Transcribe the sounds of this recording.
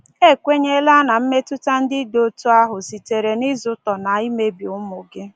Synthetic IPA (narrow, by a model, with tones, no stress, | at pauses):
e˦˨kʷe˦ɲe˦la˦na˨m̩˦me˦tʊ˦ta˦n̩˦dɪ˦do˦tu˦a˦ɦʊ˨si˨te˨ɾe˨ni˦zʊ˦tɔ˨na˨i˦me˦bi˨ʊ˦mʊ˨ɡɪ˦